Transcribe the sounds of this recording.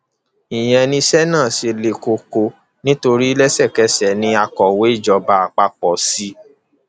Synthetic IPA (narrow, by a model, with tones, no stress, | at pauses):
i˨j̃ɛ̃˧nĩ˧sɛ˦nãː˦˨si˧le˧ko˧ko˧ | nĩ˦to˧ɾi˦lɛ˦sɛ˦˨kɛ˨˦sɛ˨˦nĩ˧a˧kɔ˨we˨˦i˦˨d͡ʒɔ˨˧ba˧˦a˧k͡pa˧k͡pɔ˨˦si˦